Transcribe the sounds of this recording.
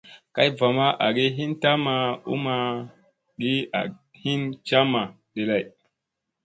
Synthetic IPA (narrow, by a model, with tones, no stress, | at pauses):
ka˦jva˨ma˦ʔa˨ɡi˦ɦi˦nta˦ma˨ṵ˦ma˨ | ɡi˦a̰˨ | hi˦nt͡ʃa˦ma˨ | ɗe˨la˦˨j